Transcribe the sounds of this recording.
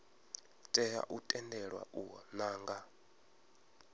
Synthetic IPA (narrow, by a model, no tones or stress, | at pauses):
tʼɛɦa̰ʔutʼɛndɛɺwa̰ʔuɔnaːŋɡa